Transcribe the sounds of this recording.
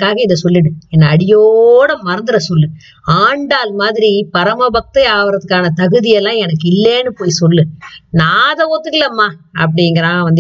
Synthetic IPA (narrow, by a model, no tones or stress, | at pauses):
kːaːɣɐɪðɐsɔlːɪɽɯɛnːɐːɽɪjoɽɐmɐɾɐnd̪ɯɾɐsɔlːɯ | aːɳɖaːlmaːðɪɾipɐɾɐmɐbɐk̚t̪ɐaːʋɐɾɐðɯkːaːnɐt̪ɐɣɯðɪjɛlːãːɛnɐkːɪlːeːnːɯpoːjsɔlːɯnaːðɐoːt̪ːɯkːɪlːɐmːaːɐ̰p̬ːɐɽɪjŋɡɐɾãːʋɐnd̪